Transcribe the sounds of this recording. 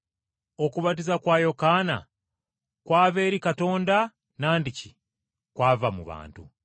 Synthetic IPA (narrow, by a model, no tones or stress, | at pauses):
o̞kuβat̬izakwaːjo̞kaːna̰ | kwaːβe̞ːɾikato̞ːnda | naːndici | kwaːvamṵβa̰ːntṵ